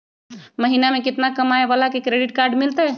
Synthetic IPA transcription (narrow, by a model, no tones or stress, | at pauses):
məɦiːnamẽkɪt̪nakɐmaːeʋalakekɾeːɖɪʈkaːɾɖmɪlt̪eɦɛː